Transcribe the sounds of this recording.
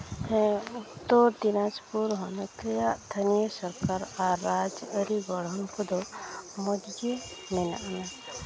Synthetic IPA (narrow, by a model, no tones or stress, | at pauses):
hɛ̃ut̪ːɔɾd̪inad͡ʒpuɾɦɔnkɛjaʔd̪ʱənijəsəɾkaɾaɾːad͡ʒəɾiɡɔɽ̤ɔnkɔd̪ɔmɔd̪d͡ʒe | nɛna̰ʔna